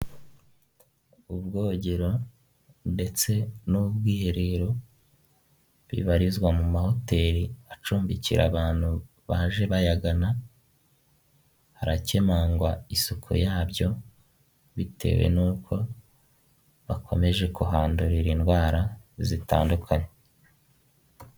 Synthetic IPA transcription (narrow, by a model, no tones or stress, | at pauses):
ubɡo̞ːɟeɾo̞ | nde̞t͡se̞nubɡiːɾiɾo | βḭβaɾizɡwamumaho̞te̞ːɾiat͡ʃuːmbicḭɾa̰βaːn̥hu | βaːʒe̞βajaɡana | haɾace̞maŋɡwaisukʰṵjaːβjo̞ | βitʰe̞̰we̞̰nuːkʰo̞ | βa̰kʰome̞ʒe̞kuɦaːnduɾiɾinɡwaːɾazita̰ːndukʰaɲe